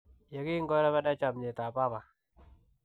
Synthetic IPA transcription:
je˨ki˦ŋɡɔ˦ɾɛ˦βa˦da˦t͡ʃa˨mɲe˨ta˨pa˦pa˨

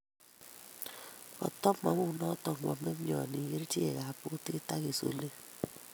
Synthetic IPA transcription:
kɔ̰˨tɔ˦ma˨mu˦˨nɔ˦tɔ˨mʷɔ̰˨me˦mjɔ̰˨ni˨ɣe˦ɾi˦ti˦ḛ˨ɣa˨pu˦te˦ta˦ɣe˨so̰˨le˦

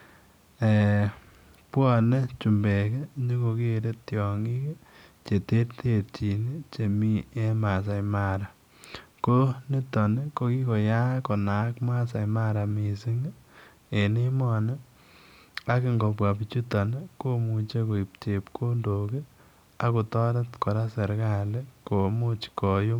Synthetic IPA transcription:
e˨ | pwɔ˦˨ne˦t͡ʃu˨mbe˨ke˦ɲe˦ko˧ke˦˨ɾe˦tjɔ˨ŋi˦ke˦ | t͡ʃe˨te˦ɾtʰe˦ti˨ni˦t͡ʃe˨mi˦e˦ma˨s̬a˨jma˦ɾa˨ | ko˦ni˦tɔ˨ne˦ko˦ki˦ko˨ja˦ko˨na˨˦kma˦sa˨jma˦ɾa˨mi˨si˦ŋ˦ | e˨ni˦mɔ˨ne˦ | a˦ke˨ŋɡo˨p̬wa˨pi˨t͡ʃu˦tɔ˨ne˦ko˦mu˨t͡ʃe˦ko˨i˨p̚t͡ʃe˨pkʰo˦ndo˨ke˦ | a˦ko˨tɔ˦ɾa˦tko˨ɾa˦se˨ɾka˦˨le˦ko˨mo˦t͡ʃkɔ˨jo˦

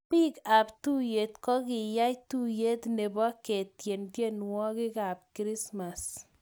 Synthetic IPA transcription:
pi˦ka˨ptu˦je˨tkɔ˦kɪ˨ja˦jtu˦je˦tne˨bɔ˦ke˨tje˨ntje˦nwɔ˦ki˦ka˨p̚kɾi˦sma˨s

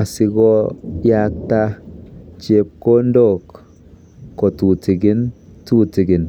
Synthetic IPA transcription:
a˨sɪ˧ɡɔ˦ja˦k̚ta˦t͡ʃe˦p̚ko˦ndo˦˨kː | ɔ˨tu˨tɪ˨ɡɪ˦ntu˦tɪ˨ɡɪ˨n

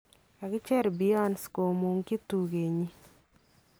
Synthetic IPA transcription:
a˨ɡɪ˦t͡ʃɛ˦ɾbi˦ɔ˦nsko˨mu˨ŋki˦tu˨ɣe˨ɲi˦

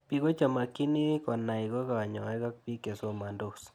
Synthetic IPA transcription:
pi˨˦ɣo˦t͡ʃa˨ma˨ki˦ni˦kɔ˨na˨i˨ɣo˦ka˨a˨ɲɔ˨e˦ka˦k̚pi˦ke˨so˨ma˨ndo˨s

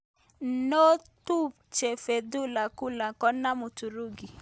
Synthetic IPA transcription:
no˦tu˦ | t͡ʃe˨fe˨du˦la˨ku˦la˨kɔ˦na˦mu˨tu˨ɾu˦˨ɡi˨

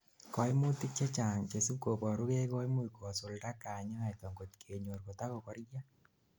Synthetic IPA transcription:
kɔ˨i˦mu˦ti˦k̚t͡ʃe˦t͡ʃa˨ŋt͡ʃe˨su˦ko˨pɔ˨ɾu˦ke˦kɔ˦i˦mu˦iko˨so˨lɾa˦ka˨ɲa˦a˨jtɔ˨ŋɡo˨tkʰe˨ɲo˨ɾko˨ta˦ko˨kɔ˦ɾja˦

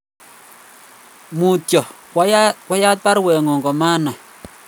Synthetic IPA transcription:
mu˨tjɔ˨ | kwa˦jkwa˦ja˦t̪̚pa˦ɾwɛ˨ŋɔ˨ŋɡɔ˨ma˦na˨

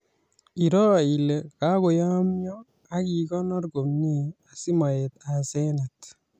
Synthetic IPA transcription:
i˨ɾɔ˦˨i˨le˨ka˦ko˨ja˦mjɔ˦ | a˦ki˨kɔ˦nɔ˦rɡo˨mni˦˨a˨si˦ma˨je˨t̪a˨se˦na˨t̪

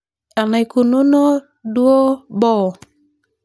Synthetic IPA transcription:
a˨najkunu˦nɔ˦ | du˦o˦bɔ˦

